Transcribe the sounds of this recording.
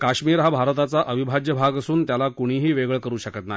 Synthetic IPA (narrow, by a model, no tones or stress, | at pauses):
kaɕmiːɾɦabʱaɾt̪at͡saʔəʋibʱad͡ʑjəbʱaɡəsuːnt̪jalakuɽ̃iːɦiːʋeɡɭkəɾuːɕəkət̪nai